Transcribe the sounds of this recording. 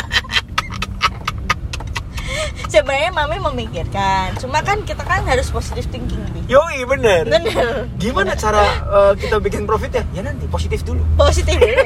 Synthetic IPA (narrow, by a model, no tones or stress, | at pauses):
səbəɾaɲamamɛməmikɪrkant͡ʃumakankit̪akanɦaɾʊsposit̪ɪfp̪iŋkiŋnijoibənərbənərɡimanat͡ʃaɾaəːkit̪abikɪnpɾofɪt̪jajanant̪iposit̪ɪfduluposit̪ɪfdulu